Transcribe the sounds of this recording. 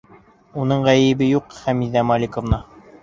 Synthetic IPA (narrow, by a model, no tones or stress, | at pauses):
unɤɴʁæjɘ̆bɘjuqχæmiðæmɑlʲikŏvnɑ